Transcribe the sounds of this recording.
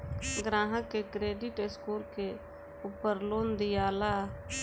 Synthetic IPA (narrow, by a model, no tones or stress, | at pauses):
ɡɾãːɦəkːekɾeːɖɪʈɪskuːlke | uːpəɾloːnd̪ɪjaːla